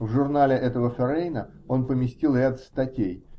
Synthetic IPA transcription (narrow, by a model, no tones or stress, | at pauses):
vʐʊrnalʲɪʔɛt̪əvəfʲɛɾejnə | o̞npəmʲɪsʲtʲilˠɾʲat̪st̪ɐtʲej